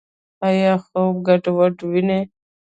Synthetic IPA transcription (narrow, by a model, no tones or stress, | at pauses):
ajaxob̚ɡaʈowaʈwine